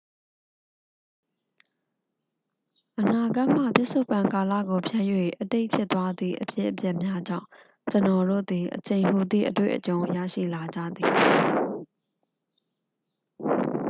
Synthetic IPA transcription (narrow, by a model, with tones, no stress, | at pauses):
ʔəna˨ɡa˦ʔm̥ä̰˦˨pɪ˦ʔsʰo˦ʊpã˨ŋka˨lä̰˦˨ɡo˨pʰjɛ˦ʔjwḛ˦˨ʔəte˦ɪʔpʰjɪ˦t̪ːwa˦d̪ðḭ˦˨ʔəpjɪ̰˦ʔəpjɛ˦ʔmja˦d͡ʑã̰˦˨ʊ̃ | t͡ɕənɔ˨ɾo̰˦˨d̪i˨ʔət͡ɕʰẽ˨ɪ̃ɦu˨d̪ðḭ˦˨ʔət̪wḛ˦˨ʔət͡ɕõ˨ʊ̃ja̰˦˨ʃḭ˦˨la˨d͡ʑä̰˦˨d̪i˨˦